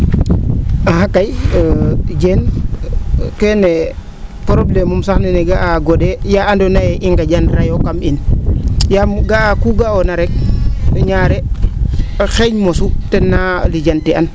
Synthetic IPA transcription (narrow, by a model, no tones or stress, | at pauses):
ahakːaj | d͡ʒen | kɛne | pɾoblemumsaxnɛnɛɡaʔaɡodɛjaandonajɛʔiŋɡad͡ʒanɾajokaminjamɡakuɡaonaɾɛk̚ɲaːɾɛ | xeɲmosutɛnːalid͡ʒantian